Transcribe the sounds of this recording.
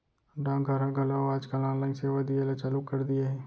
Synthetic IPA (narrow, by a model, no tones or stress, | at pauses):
ɖãːŋɡʱəɾãɡʱɐlaoaːd͡ʒkalãːnlãĩseːʋad̪ielat͡ʃaːlukːɐɾd̪ieɦɛ̃ː